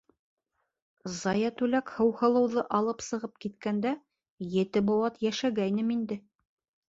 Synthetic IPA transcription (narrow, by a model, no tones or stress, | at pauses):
zɑjɑt̪ʉlækhɤ̆whɤ̆lˠɤ̆wðɤʔɑlˠɤpsɤ̆ʁɤp̚kit̪kænd̪æ | jɘ̆t̪ɘbowɑt̪jæʃæɡæjnɘmind̪ɘ